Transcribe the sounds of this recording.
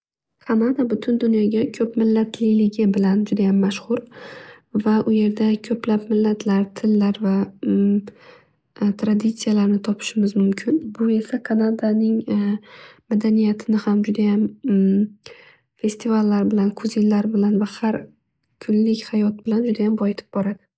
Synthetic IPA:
kʰanad̪abʊt̪ʰʊnd̪ʊnjɒɡʲakʲʰɵpmɪlːat̪ʰlɪjlɪɡʲɪbɪland͡ʒʊd̪ajamːaʃhʊɾ | vaʔʊje̞ɾd̪akʲʰɵplapmɪlːat̪ʰlaɾt̪ʰɪlːaɾva | t̪ʰɾad̪ɪt̪sijalaɾnɪt̪ʰɒpʰɪ̥ʃɪmɪzmʊmkʲʰɪnbʊe̞sakʰanad̪anɪŋ | mad̪anijat̪ʰɪnɪhamd͡ʒʊd̪ajam | fe̞st̪ʰivalːaɾbɪlankʰʊzinlaɾbɪlanvahaɾ | kʰʊnlɪkʲhajɒt̪̚b̥ɪland͡ʒʊd̪ajambɒjɪt̪ʰɪ̥p̚bɒɾad̪̥ɪ

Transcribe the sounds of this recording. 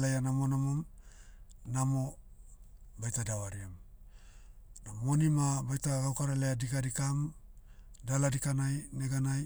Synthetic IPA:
lajanamonamom | namo̞ | bajtadawaɾiam | namo̞nimabajtaɡawkaɾalaadikadikam | daladikanajneɡanaj

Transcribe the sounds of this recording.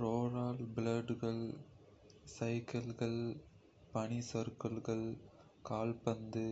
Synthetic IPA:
ɾoːɾaːlbɪlɐɖɣɐɭ | sɐɪkɐlɣɐɭ | pɐɳisɐɾkɐlɣɐɭ | kaːlpɐnd̪ɯ

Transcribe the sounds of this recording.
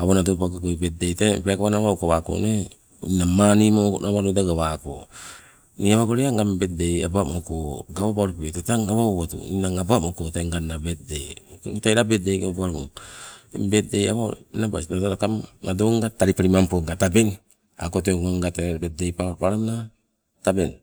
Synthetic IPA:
aβonadopakokobet̚dejtebeakaβanaβawkoβako̰ne | inamanimokonʔaβaɾodaɡaβako̰ | niaβaɡoɾiaŋɡambet̚deja̰bamokoɡaβapaɾupetotaŋaβaβatṵinaŋabamokoteŋɡanːabetdejkɡutajɾabet̚dejobuaɾoḛmbet̚deja̰βanaba̰sdataɾakamŋadoŋɡataɾipaɾimampoŋɡataben | a̰koteɡaŋɡatebet̚dejpapaɾana | taben

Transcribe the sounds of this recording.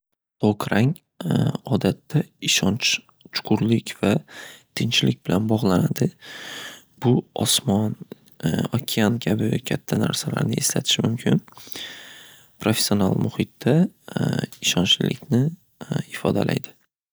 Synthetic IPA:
t̪okɾaŋ | ɒd̪at̪ʰːaɪʃɒnt͡ʃ | t͡ʃʰʊ̥qʰʊɾlɪkʲvat̪ʰɪnt͡ʃlɪkʲbɪlanbɒʁlˠanad̪ɪ | b̥ʊɒsmɒn | ɒkʲʰɪankʲʰabɪkʲʰat̪ʰːana̰ɾsala̰ɾnɪe̞slat̪ʰɪ̥ʃɪmʊmkʲʰɪn | pʰɾofesio̞nalˠmʊhɪt̪ːa | ɪʃɒnt͡ʃlɪ̰kʲnɪ | ɪfɒ̰d̪a̰lʔa̰jd̪ɪ

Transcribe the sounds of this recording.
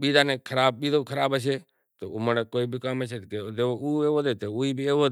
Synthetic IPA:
ɓiːd̪aːnẽkʰəɾaːbɓiːd̪oːkʰəɾaːbət͡ʃʰeː | t̪oːʊmənekoːiːbʱikaːmət͡ʃʰeːked̪eouːeːʋoːd̪eːt̪euiːbʱieːʋoː

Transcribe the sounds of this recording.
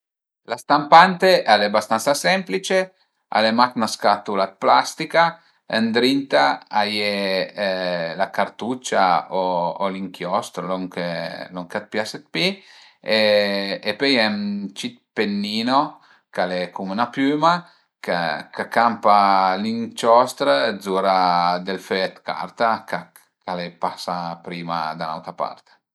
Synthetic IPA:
last̪ampant̪eʔalebast̪ant̪sasɛmplit͡ʃe | a̰lemaknaskat̪ulat̪̚plast̪ika | ənd̪ɾint̪aaje | lakaɾt̪ut͡ʃaoːliŋkjɔst̪ɾoloŋkeloŋkat̪̚pjaset̪̚pi | eː | pøjɛnt͡ʃit̪̚penːiːno | kalekumnapyːma | kakakampaliŋt͡ʃɔst̪ɾzuɾad̪elføɛt̪ka̰ɾt̪aka | kalepasapɾiːma̰d̪ana̰wt̪ɾapa̰rt̪

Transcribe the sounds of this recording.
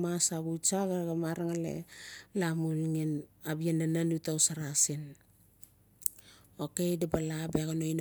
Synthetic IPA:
masaɡut͡ʃaɡaɡamaɾaŋalḛlamulŋinabianananutawsaɾasin | okejdabalabeaɡonojn

